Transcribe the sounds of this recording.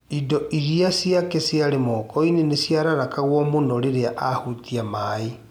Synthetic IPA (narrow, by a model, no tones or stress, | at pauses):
idɔʔiɾiasjakesjaɾemɔkɔinenesjaɾaɾakaɣwɔmonɔɾeɾeaʔahutiamae